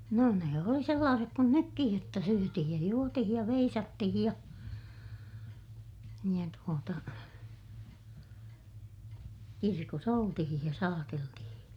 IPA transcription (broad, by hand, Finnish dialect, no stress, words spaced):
no ne oli selːɑːsek kun nykːij jotːɑ syøtihij jɑ juotihij jɑ ʋeisɑtːihij jɑ jɑ tuotɑ kirkos oltihij jɑ sɑːteltihĩː